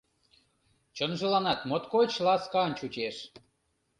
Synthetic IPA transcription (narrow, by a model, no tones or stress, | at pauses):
t͡ɕənʒəlɑnɑt̪mot̪kojt͡ɕlɑskɑənt͡ɕut͡ɕeʃ